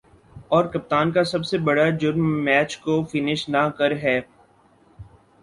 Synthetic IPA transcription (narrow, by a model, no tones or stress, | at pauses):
ɔːɾkɐp̚t̪aːnkasɐbsebɐɽad͡ʒʊɾmːɛːt͡ʃkofɪnɪʃnakɐɾɦɛː